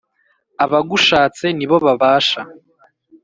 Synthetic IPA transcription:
aβaɡuʃaːt͡se̞niβo̞βaβaːʃa

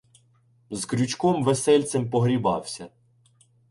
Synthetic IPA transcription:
zkɾʲut͡ʃkɔmʋesɛlʲt͡s̪empɔɦɾʲibɑ̰wsʲɐ

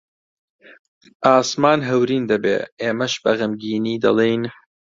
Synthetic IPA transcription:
ʔaːsmaːnɦɐwɾiːnd̪ɐbḛːeːmɐʃbɐɣəmɡiːniːd̪ɐ̰lˠejn

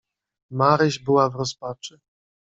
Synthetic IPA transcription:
maɾɘʑbɘwavɾɔspat͡ʂɘ

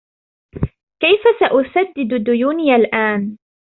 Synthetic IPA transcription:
kajfasaʔʊsad̪ːɪd̪d̪ʊjuːnɪjalʔaːn

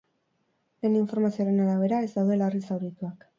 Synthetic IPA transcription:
le̞ːniɱfo̞ɾmasioɾe̞naɾaβ̞e̞ɾae̞zd̪awðe̞laerisawɾit̪uak

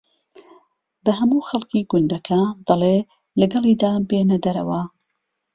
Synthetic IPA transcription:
bɐɦɐmuːxɐlˠkʰiːɡʊnd̪ɐkʰad̪̥ɐle | lɐɡɐlˠiːd̪aːbenɐd̪ɐɾɐ̰wɐ

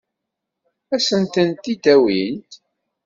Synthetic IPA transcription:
æsənt̪ənt̪ːid̪æwint̪

